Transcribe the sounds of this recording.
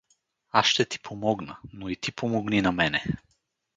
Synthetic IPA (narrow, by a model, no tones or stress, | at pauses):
aʃt̪ɛt̪i̥pʰomɔɡnənoit̪ipʰomɔɡninamɛnɛ